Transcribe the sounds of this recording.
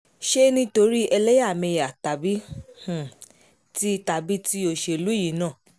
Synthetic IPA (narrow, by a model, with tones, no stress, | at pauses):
ʃe˦nĩ˦to˧ɾi˦ʔɛ˧lɛ˦ja˦˨mẽ˧ja˨ta˨bi˦h̩˨ | ti˦˧˦ta˧bi˦ti˦o˧ʃe˧˨lu˦ji˨˦nãː˦˨